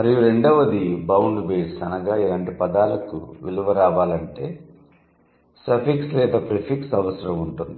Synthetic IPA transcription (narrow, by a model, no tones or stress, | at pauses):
mɐɾɐjuɾe̞ɳɖɐʋɐd̪ibɐwɳɖbeːsɐnɐɡaːilaːɳʈipɐd̪aːlɐkṵʋiluʋɐɾaːʋaːlɐɳʈe̞ː | sɐpʰikslɛːd̪ɐpɾipʰiksɐʋɐsɐɾɐmuɳʈund̪ii